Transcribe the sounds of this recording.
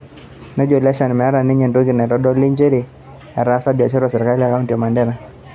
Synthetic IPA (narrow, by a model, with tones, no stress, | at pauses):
nɔ˦d͡ʒo˨lɛ˦ʃa˨n˨mɛ˨a˦ɾa˨ni˦ɲɛ˨ndo˦ɡi˨nɛ˨ɾɔ˦dɔ˦li˦ɲd͡ʒe˦ɾi˨ | a˨ɾa˦sa˦bja˨t͡ʃɔ˦ɾɔ˨sɛ˨ɾika˦lija˨ka˦u˦ntijɔ˨ma˨ndɛ˦na˨